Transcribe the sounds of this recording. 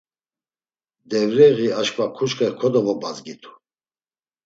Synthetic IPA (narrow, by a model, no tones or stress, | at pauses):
d̪ɛvɾɛʁiaʃkʰʼvakʰuʃkʼɛkʰɔd̪ɔvɔbazɡit̪ʰu̥